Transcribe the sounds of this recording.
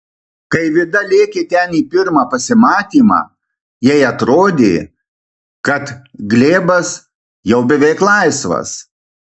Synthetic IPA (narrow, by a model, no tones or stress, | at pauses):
kɐɪʋʲɪd̪ɐlʲeːkʲeːt̪ʲɛniːpʲɪɾmɑːpɐsʲɪmɑːt̪ʲiːmɑ̰ː | jɛɪɐt̪ɾoːd̪ʲeː | kɐt̪ɡlʲeːbɐs | jɛʊbʲɛʋʲɛɪklˠɐɪsʋɐ̰s